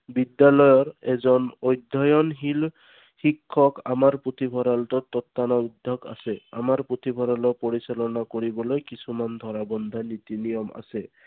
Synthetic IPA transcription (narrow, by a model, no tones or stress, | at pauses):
bidjalɔjɔɹɛzɔnojd̪ʱɔjɔnɦil | xikʰːɔkamaɹput̪ʰibʱɔɾaltɔt̪ɔt̪ːanɔud̪ʱjɔka̰sɛa̰maɹput̪ʰibʱɔɾalɔpoɹisalɔnakoɹibɔlojkisumand̪ʱɔɹabɔnd̪ʱanit̪inijɔma̰sɛ